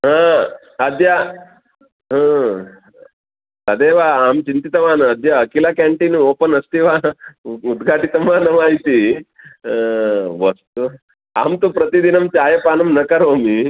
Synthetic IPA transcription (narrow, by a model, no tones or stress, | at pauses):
ɦã | ɐd̪ʱja | ɦãː | sɐd̪eːʋaːaːmt͡ʃint̪it̪ɐmaːnɐɐd̪ʱjaːkilakɛːɳʈinoːpənɐst̪iʋaːud̪ɡʱaːʈit̪ɐmaːnɐmaːjit̪i | ʋɐst̪u | a̰ːmt̪upɾɐt̪id̪inɐmt͡ʃaːjɐpaːnɐmnɐkɐɾoːmi